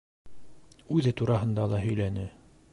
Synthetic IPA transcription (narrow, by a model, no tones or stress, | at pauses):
ʉðɘt̪uɾɑɦɤ̆nd̪ɑlˠɑɦɵ̆jlænɘ